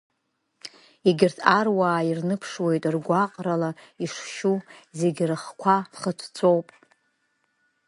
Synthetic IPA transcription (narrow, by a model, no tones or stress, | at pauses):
iɡʲɪrtʰarwaːirnɨpʰʂwe̞jtʼrɡʷaqʼralaiʂʃuze̞ɡʲrɨχkʷʰaχətʰt͡sʰʷʼo̞wpʼ